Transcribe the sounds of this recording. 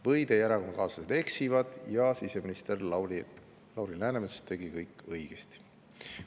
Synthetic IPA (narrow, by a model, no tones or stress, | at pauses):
vɤjd̪̥e̞jæɾɑkonɑkɑːsɑsed̪̥e̞ksivɑd̪̥jɑsise̞minist̪e̞r | lɑwɾilæːnemesest̪ːe̞ɡikɤjkˑːɤjɡ̥est̪i̥